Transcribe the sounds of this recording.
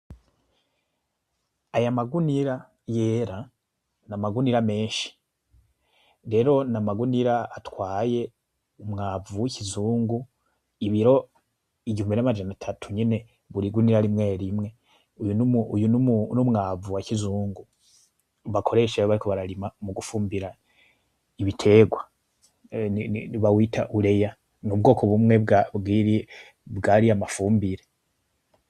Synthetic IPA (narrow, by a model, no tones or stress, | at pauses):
ajamaɡuniɾa | je̞ɾa | namaɡuniɾame̞ːnʃi̥ | ɾe̞ɾo̞namaɡuniɾaatwaːje̞ | umŋaːvuwicʰizuːŋɡu | iβiɾo̞ | iɟihumbiɾamad͡ʒanatʰatʰuɲine̞ | βuɾiɡuniɾaɾimŋe̞ːɾimŋe̞ | ujunumujunumunumŋavuwacizuːŋɡu | βakʰo̞ɾe̞ʃaoβaɾikʰo̞βaɾaɾimamuɡufuːmbiɾa | iβitʰe̞ːɡwa | iβawitʰaʔuɾe̞ja | ŋub̚ɡo̞ːko̞βumŋe̞bɡaɡiɾi | βɡaːɾiamafuːmbiɾe